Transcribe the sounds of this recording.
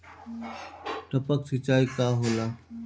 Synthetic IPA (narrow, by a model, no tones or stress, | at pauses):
ʈəpəksɪt͡ʃaːiːkaːɦoːlaː